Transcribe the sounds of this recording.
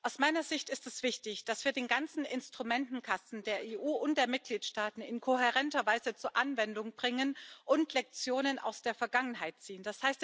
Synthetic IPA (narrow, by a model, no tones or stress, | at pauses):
ʔaʊsmaɪnɐzɪçtɪstɛsv̥ɪçtɪçd̥asv̥iːɐdeːnɡant͡sn̩ʔɪnstʁ̥umɛntn̩kʰasn̩deːɐeːʔuːʔʊnt̚d̥eːɐmɪt̚ɡ̥liːtʃtaːtn̩ɪnkʰoɦɛʁɛntɐvaɪzət͡suːɐʔanvɛndʊŋb̥ʁɪŋənʔʊntʰlɛk̚t͡sjoːnəna̰ʊsd̥eːɐfɛɐɡaŋənɦaɪt̚t͡siːənd̥ashaɪst